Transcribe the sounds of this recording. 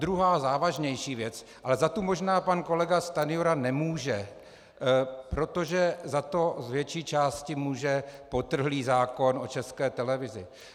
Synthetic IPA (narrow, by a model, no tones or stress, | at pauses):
d̪ɾuɦaːzaːvaʒɲɛjʃiːvjɛt͡s | ʔalɛzat̪umo̞ʒnaːpanko̞lɛɡast̪anɪoɾanɛmuːʒɛ | pɾo̞t̪o̞ʒɛzat̪o̞zvjɛt͡ʃiːt͡ʃaːscɪmuːʒɛpo̞t̪r̩ɦliːzaːko̞no̞t͡ʃɛskɛːt̪ɛlɛvɪzɪ